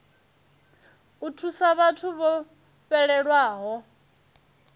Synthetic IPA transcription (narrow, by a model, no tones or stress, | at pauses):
utʰusaβatʰuβɔ | ɸɛɺɛɺwaːɦɔ